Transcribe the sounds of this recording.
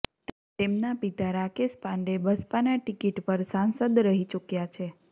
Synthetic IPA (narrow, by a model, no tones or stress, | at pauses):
t̪emnapit̪aɾakespãɳɖebəspanaʈɪkiʈpəɾsansəd̪ɾəɦit͡ʃukjat͡ʃʰe